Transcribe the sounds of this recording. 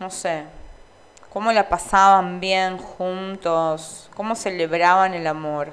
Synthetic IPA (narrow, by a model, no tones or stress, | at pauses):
nose | ko̞mo̞lapasaβambjeŋxunt̪osko̞mo̞seleβɾaβanelamoɾ